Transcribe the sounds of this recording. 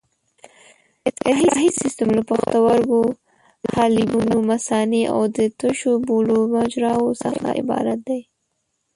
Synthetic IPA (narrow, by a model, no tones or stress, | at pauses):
ɪt̪aɦiɦisɪst̪əmlapaxt̪awaɾwo | hɑlibunomasɑneʔa̰wd̪ət̪əʃobolomad͡ʒɾɑwosə̰xa̰ʔɪ̰bɑ̰ɾat̪̚d̪aj